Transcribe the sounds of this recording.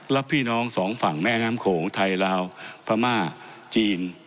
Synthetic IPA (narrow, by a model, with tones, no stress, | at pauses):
la˦˥pʰːiː˥˩nɔː˦˥ŋsɔː˩˦ŋfa˨˩ŋmɛː˥˩naː˦˥mkʰoː˩˦ŋt̪ʰa˧jlaː˧wpʰa˧maː˥˩ | t͡ɕiː˧n